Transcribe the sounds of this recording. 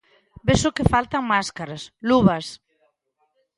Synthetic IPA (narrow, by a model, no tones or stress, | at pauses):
besʊkɪfalt̪aŋmaskaɾasluβas